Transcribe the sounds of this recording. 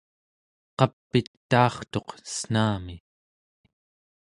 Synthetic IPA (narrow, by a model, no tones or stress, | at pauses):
qɑpːit̪ː | ɑːχt̪o̞qə̥sn̥aːmi